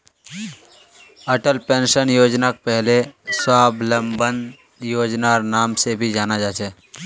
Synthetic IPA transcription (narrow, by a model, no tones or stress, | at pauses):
əʈəlpẽːnʃənjoːd͡ʒnak̚pɛɦleswaːbʱləmbən | joːd͡ʒnaɔːɾnaːmsebʱid͡ʒaːnad͡ʒaːt͡ʃʰɛː